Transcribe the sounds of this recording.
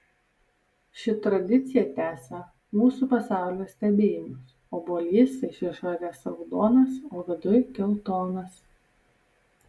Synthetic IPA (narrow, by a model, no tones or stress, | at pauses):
ʃʲɪt̪ɾɐd̪ʲɪt̪sʲɪjɛt̪ʲæːsɐ | muːsuːpɐsɑˑʊlʲoːsʲt̪ʲɛbʲeːjɪmʊs | oːboːlʲiːsɪʃʲʋʲiɛʃoːɾʲeːsɐʊd̪oːnɐsoːʋʲɪd̪ʊjkʲɛlˠt̪oːnɐs